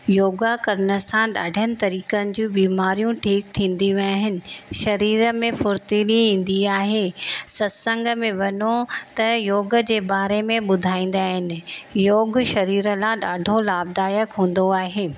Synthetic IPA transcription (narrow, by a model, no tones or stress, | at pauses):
joːɡakɐɾənəsãɗa̰ːɖʱənɪ̆t̪ɐɾiːkənɪ̆d͡ʑũbiːmaːɾijũʈʰiːk̚t̪ʰĩːnd̪iʋaɦɪnɪ̆ʃɐɾiːɾəmẽfʊɾt̪iliɦĩːn̆d̪iaːɦeːsɐsə̃ŋɡʱəmẽʋɐnot̪ɐjoːɡəd͡ʑeːbaːɾemẽɓʊd̪ʱaːĩːn̆d̪aːɦɪnɪ̆joːɡʃɐɾiːɾəlãɗaːɖʱolaːb̚d̪aːjəkɦũːn̆d̪oaːɦeː